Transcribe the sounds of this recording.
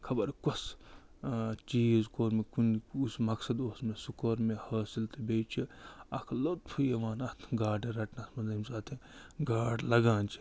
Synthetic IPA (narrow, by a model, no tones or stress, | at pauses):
kʰɐbɐɾkɐs | t͡ʃiːzkoːɾmekunusmɐksɐd̪oːsmesukɐɾmehɐːsilt̪ebeːt͡ʃʰiɐkʰlot̪̚pʰujeʋaːnɐt̪ʰɡaːɖeɾɐʈnɐsmɐnzɐmsaːt̪ʰẽɡaːɖlɐɡãːnt͡ʃʰi̥